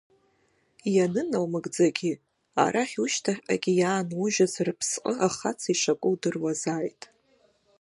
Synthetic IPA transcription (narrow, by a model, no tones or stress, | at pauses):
janɨnawmɨɡd͡zaɡʲi | a̰ɾaχʲuʃtʰaχʲa̰ɡʲijaːnʊʒᶣazrɨpʰsqʼəaχat͡sʰaiʂakʷʼʊwdɨrwazaːjtʼ